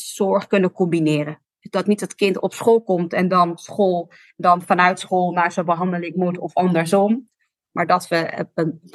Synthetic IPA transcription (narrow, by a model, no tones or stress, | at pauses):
zɔɹχkɵnəkɔmbinɪːrə | dzdɑtnitɑtkɪntɔpsχoːlˠkɔmtɛndɑnsχolˠ | dɑnfɑnœɥtsχolˠnaːɹsobəɦɑndəlɪŋmutɔfɑndəɹzɔm | maːɹdɑtʋə